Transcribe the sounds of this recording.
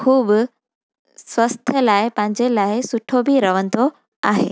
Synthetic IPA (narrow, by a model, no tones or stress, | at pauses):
kʰuːbʊ | sʋɐst̪ʰəlaːɪpɐ̃ɦɪ̃ɲd͡ʑelaːɪsʊʈʰobʱiɾɐʋə̃nd̪o | aːɦḛː